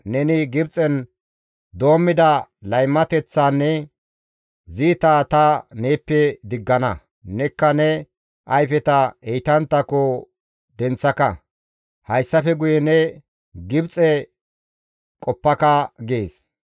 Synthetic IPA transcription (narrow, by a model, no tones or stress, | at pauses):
nɛnɪɡɪbt͡sʼɛn | d̪o̞ːmːɪd̪ɐlɐjmːɐt̪ɛt͡sːaːnːɛ | ziːt̪aːt̪ɐneːpːɛd̪ɪɡːɐnɐ | nɛkːɐnɛ | ʔɐjfɛt̪ɐejt̪ɐnt̪ːɐkːɔ | d̪ɛnt͡sːɐkɐ | hɐjsːɐfɛɡʊjɛnɛ | ɡɪbt͡sʼɛ | kʼɔpːɐkɐɡeːs